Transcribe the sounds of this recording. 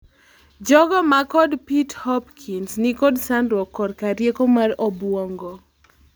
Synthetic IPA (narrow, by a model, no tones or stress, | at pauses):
d͡ʒɔɡɔmakɔdpithɔpkʰinsnɪkɔdsandwɔkːɔdkaɾjekomarɔbwɔŋɡɔ